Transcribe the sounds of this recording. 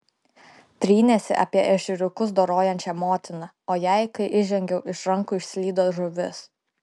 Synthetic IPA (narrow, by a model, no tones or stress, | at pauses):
t̪ʲɾʲiːnʲɛsʲɪ̰ʔɐ̰pʲiɛʔɛʃʲʊɾʲʊkʊs̬d̪oːɾoːjɛnʲt͡ʃʲɛmoːt̪ʲɪnɐ | oːjæˑɪkɐɪʔɪʒʲɛŋʲɡʲɛʊʔɪʃɾɐŋkuɪʃʲsʲlʲiːd̪oːʒʊʋʲɪs